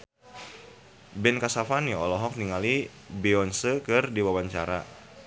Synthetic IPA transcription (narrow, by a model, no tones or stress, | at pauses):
bɛnkasafaniɔlɔɦɔk̚niŋali | beɔnsəkɨrdiwawaɲt͡ʃa̰ɾa̰